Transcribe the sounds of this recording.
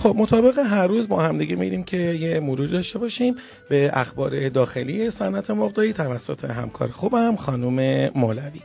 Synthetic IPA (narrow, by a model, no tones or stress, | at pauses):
xo̞b̚mot̪ʰɒːbe̞ɣeɦæɾːuːzbɒːhæmd̪iɡemḭiɾiːmcʰe̞jemoɾuːɾid̪ɒʃt̪e̞bɒʃim | be̞ʔæ̰xbɒ̰ːɾe̞d̪ɒːxe̞lije̞sænʔæt̪ʰe̞moɣd̪ɒːiːt̪ʰævæsːot̪ʰe̞̰ɦæ̰mkʰɒ̰ːɾexubæmxɒːnume̞molævi